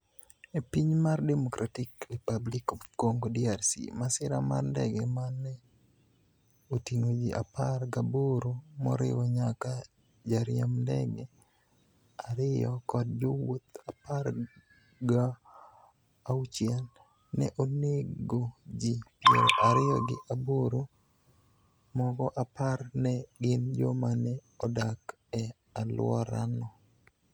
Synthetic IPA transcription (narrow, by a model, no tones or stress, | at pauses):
epiɲmardɛmokɾʔatikɾipablikkoŋɡodiarsḭmasɪɾama̰rndɛ̰ɡɛmanːɛ | otiŋod͡ʒiʔa̰parɡaboɾomɔ̰ɾɪ̰wɔɲaka | d͡ʒaɾjamndɛ̰ɡɛ | aɾɪjɔkɔd̚d͡ʒowot̪apar | ɡa | ut͡ʃjɛlː | ɛ̰ʔoneɡod͡ʒipeɾoʔaɾɪjɔɡɪʔaboɾo | mɔɡɔʔaparnɛɡɪnd͡ʒomanɛ | ɔdak | ɛ | alwɔɾa̰nɔ